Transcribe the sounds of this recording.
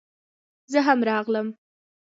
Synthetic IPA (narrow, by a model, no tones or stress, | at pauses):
zəɦamɾɑɣləm